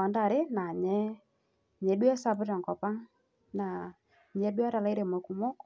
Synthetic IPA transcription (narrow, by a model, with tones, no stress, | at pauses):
a˨nda˨ɾɪ˦na˨ɲɛ˦ | ɲɛ˨du˦ɛ˦sa˦bɪ˦ɾa˨ŋkɔ˨pa˦ŋ | na˨ | ɲɛ˨˦dwa˦ɾa˨la˦ɪ˦ɾe˨ma˨ku˨mɔ˦k